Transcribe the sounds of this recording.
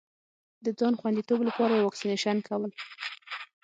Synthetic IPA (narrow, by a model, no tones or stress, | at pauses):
d̪əd͡zɑnxwand̪it̪oblapɑɾajewɑksineʃankʰawəl